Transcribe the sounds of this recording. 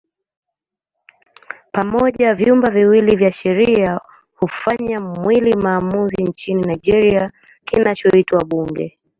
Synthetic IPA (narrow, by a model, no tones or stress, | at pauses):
pamɔʄavjumbaviwilivjaʃɛɾia | hufaɲamwilimaːmuziɲt͡ʃininaid͡ʒɛɾia | kinat͡ʃɔitwaɓuŋɡɛ̰